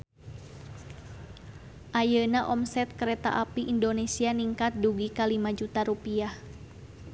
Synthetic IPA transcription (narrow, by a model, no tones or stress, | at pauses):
ʔajənaʔɔmsɛt̪̚kəɾɛt̪a̰ʔapiʔindonesianiŋkat̪̚duɡikalimad͡ʒut̪aɾupiah